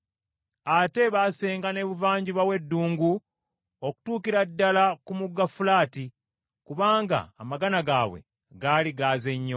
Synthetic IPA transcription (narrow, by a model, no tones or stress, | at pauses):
ate̞βase̞ːŋɡane̞ːβuvaːɲɟiβawe̞dːuːŋɡu | oku̥tuːkiɾadːalakumuɡːafulaːti | kuβaːŋɡa̰ːmaɡanaɡaːβwe̞̰ | ɡaːliɡaːzeɲːo